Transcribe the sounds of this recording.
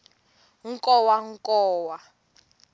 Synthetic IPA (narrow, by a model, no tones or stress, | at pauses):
ŋ̩kʼɔwaŋ̩kɔːwa